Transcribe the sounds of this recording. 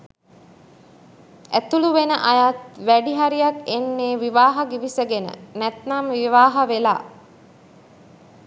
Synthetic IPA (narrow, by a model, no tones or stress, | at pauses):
æt̪uluʋenəʔajat̪ʋæɖiɦaɾijakenːeːʋiʋaːɦɐɡiʋisəɡenə̰næt̪namʋiʋaːɦɐʋela̰ː